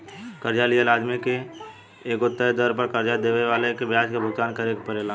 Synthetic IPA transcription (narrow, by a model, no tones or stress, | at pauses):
kəɾd͡ʒalielaːd̪mikeː | ɡot̪ːəed̪əɾpəɾkəɾd͡ʒad̪eʋeʋalekebjaːd͡ʒkabʱʊɡ̚t̪aːnkəɾekpəɾela